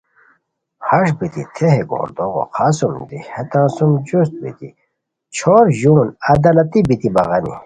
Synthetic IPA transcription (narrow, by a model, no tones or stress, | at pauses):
hɐʂbit̪ḭt̪ʰeɦeɡo̰ːɾd̪oɣo̰qʰaːsumd̪ihet̪ãːsumd͡ʑust̪̚bḭt̪i | t͡ɕʰoːɾʑunɐd̪ɐlɐt̪ibit̪ibɐ̰ɣɐnḭ